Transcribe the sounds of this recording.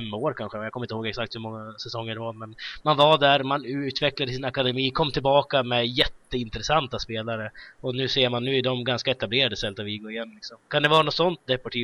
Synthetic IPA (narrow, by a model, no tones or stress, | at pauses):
ɛmːoːɾkʰanɧəjaːkʰɔmːɪt̪hoːɡɛksak̚t̪hɵɾmɔŋːasɛsɔŋːəɖɛvamɛnmanvad̪æɾmanʉ̟ːt̪vɛklad̪əsɪnakad̪ɛmiːkʰɔmːt̪ʰɪlbɑːkamɛjɛt̪ːəɪnt̪ɾɛsant̪aspeːlaɾəɔnʉ̟ːseːɾmanːʉ̟ːɪd̪ɔmɡanskaɛt̪ableːɾad̪əsɛlt̪aviːɡoːɾɪjɛnːlɪksɔmkʰand̪ɛvɑːɾanɔt̪sɔnt̪̚d̪ɛpɔʈʰiː